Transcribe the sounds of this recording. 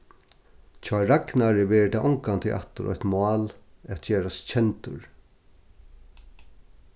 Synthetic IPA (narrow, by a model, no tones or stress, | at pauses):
t͡ʃʰaːɾaknaɹɪʋɛːɾɪt̪ʰaːʔɔŋkant̪ʰɪʔa̰ht̪ʊ̰ɾʔɔ̰çt̪mɑːlæt̪t͡ɕeːɾast͡ɕʰɛnt̪ʊ̰ɹ